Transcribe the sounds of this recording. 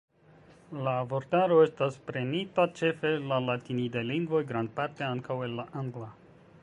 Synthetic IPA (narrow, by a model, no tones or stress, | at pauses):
lavo̞ɾtaɾo̞e̞staspɾe̞nitat͡ʃe̞fe̞lalatinideliŋɡvo̞jɡɾand̚paɾte̞aŋkawe̞lːaʔaŋɡla